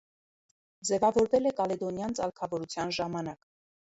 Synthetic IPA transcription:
d͡zɛvɑvɔɾvɛlɛkɑlɛd̪ɔnjɑnt͡sɑlkʰɑvɔɾut͡sʰjɑnʒɑmɑnɑk

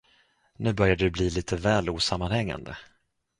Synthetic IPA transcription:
nʉ̟ːbœɾjad̪əd̪ɵbliːliːt̪ʰəvɛːluːsamːanhɛŋːa̰nd̪ə̰

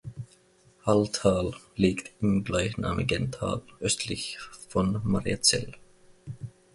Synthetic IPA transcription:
haltʰaːlːiːktɪmɡlaɪçna̰ːmʔɪɡəntʰa̰ːlʔœstʰlɪçfɔnmaʁiat͡sɛ̰l

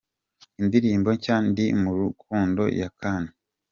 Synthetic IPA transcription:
indiɾiːmbo̞caːndimuɾukʰuːndo̞̰jakʰaːne

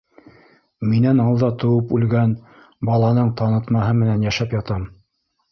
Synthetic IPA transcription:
minænɑlˠd̪ɑt̪ŏwɤpʉlɡæn | bɑlˠɑnɤɴt̪ɑnɤ̆t̪mɑɦɤmɘ̆nænjæʃæpjɑt̪ɑm

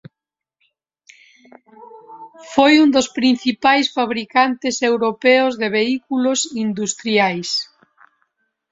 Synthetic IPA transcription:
fojund̪ospɾin̟θipajsfaβɾikant̪esewɾopeozðeβ̞eikulosind̪ust̪ɾjajs

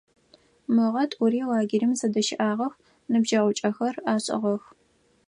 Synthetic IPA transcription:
mɨʁɐtʼʊɾiːwaːɡɪɾimzɐdɐʃɪʔaːʁɐx | nɨbʒɐʁʷʊt͡ʃʼɐxɐraːɕʼɪ̰ʁɐx

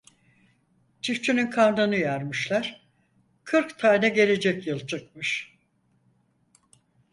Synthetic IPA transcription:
t͡ʃʰift͡ʃʰynynkʰand̪ɯnɯjaɾmɯʃlˠæɾ̥ | kʰɯɾkt̪ʰaːnɛɟe̞lʲe̞d͡ʒɛcjɯlˠt͡ʃʰɯkmɯʃ

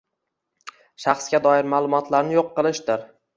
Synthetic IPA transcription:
ʃɑχsɡʲad̪ɒɪɾmalˠʊmɒt̪ʰlaɾnɪjoqːɨlˠɪʃd̪ɪɾ

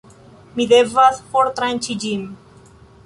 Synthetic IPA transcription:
miðevaspoɾt̪ɾant͡ʃid͡ʒim

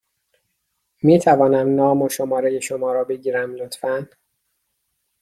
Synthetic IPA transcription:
miːt̪ʰævɒːnæmnɒːmoʃo̞mɒːɾe̞je̞ʃomɒːɾɒːbe̞ɟiːɾæmlot̪fæn

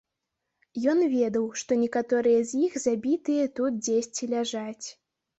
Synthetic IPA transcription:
jɔnvʲɛd̪ɐwʂt̪ɔnʲɛkat̪ɔɾɨjɐzʲjixzabʲit̪ɨjɐt̪ut̪̚d͡zʲesʲt͡sʲilʲaʐat͡sʲ

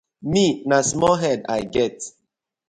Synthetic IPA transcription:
minasmɔlɦɛda̰ɪɡɛt

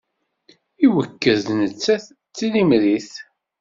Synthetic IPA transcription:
iwəkːəððnət͡sːæθ | t͡sːilimɾiθ

